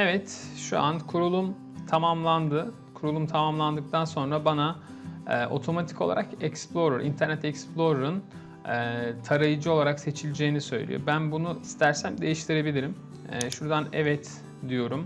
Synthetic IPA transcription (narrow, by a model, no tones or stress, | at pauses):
ɛvɛt̪ʃṵʔa̰nkʰuɾulˠum | t̪ʰamamlˠand̪ɯ | kʰuɾulˠumt̪ʰamamlˠand̪ɯk̚t̪ʰanso̞nɾabanaː | ʔo̞̰t̪ʰo̞mat̪ʰi̥ko̞lˠa̰ɾakɛksplˠo̞ɾaɾḭnt̪ʰæɾnɛt̪ɛksplˠo̞ɾaɾɯn | ɛt̪ʰaɾajɯd͡ʒɯo̞lˠaɾakse̞t͡ʃʰilʲid͡ʒeːinisø̞̰jlʲḭjo̰bænbunuist̪ʰæɾsæmd̪e̞jiʃt̪ʰiɾe̞bilʲiɾim | ɛːʃuɾd̪anɛvɛt̪ | d̪ijo̞ɾum